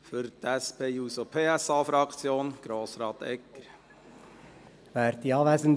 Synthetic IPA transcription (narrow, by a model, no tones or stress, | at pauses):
fʏɾt̪ɛspʰeːjuːsopʰeːɛsɑːfɾɑkt͡sjoːnɡ̥ɾoːsɾɑːt̪ɛ̰kːəɾ | ʋæːɾd̥̪iɑːʋæɪsənd